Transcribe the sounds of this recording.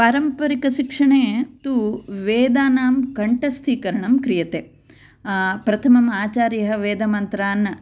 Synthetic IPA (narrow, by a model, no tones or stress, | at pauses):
paːɾɐmpɐɾikɐʃikʂɐɳeːt̪uʋeːd̪aːnaːmkɐɳʈɐst̪ʰiːkɐɾɐɳɐmkɾijɐt̪eː | pɾɐt̪ʰɐmɐmaːt͡ʃaːɾjɐɦɐ̆ʋeːd̪ɐmɐnt̪ɾaːnːɐ